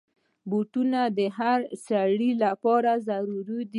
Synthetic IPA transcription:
boʈunad̪əɦaɾsaɽilapɑɾazaɾuɾud̪i

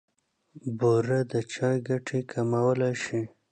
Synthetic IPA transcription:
boɾad̪ət͡ʃɑjɡaʈʰekʰamawəlajʃi

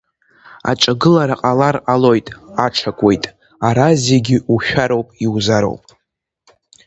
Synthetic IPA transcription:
a̰ʈ͡ʂʼaɡɨlaɾaqʼalarqʼalo̞jtʼaʈ͡ʂʰakʷʼe̞jtʼ | aɾazeɡʲɪuʃᶣaɾo̞wpʼiwzaɾo̰wpʼ

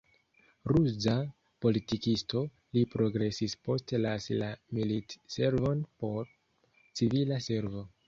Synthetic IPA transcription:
ɾuza | po̞litikisto̞ | lipɾo̞ɡɾe̞sispo̞stelaslamilitse̞ɾvo̞npo̞ɾ | t͡sivilase̞ɾvo̞

